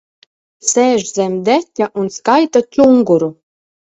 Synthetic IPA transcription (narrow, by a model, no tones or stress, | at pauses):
sæʒzæmd̪ætʲːæʔunskɑjt̪at͡suŋɡuɾu